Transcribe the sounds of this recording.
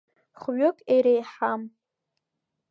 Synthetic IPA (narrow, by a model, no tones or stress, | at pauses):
χɥʊkʼeɾejħam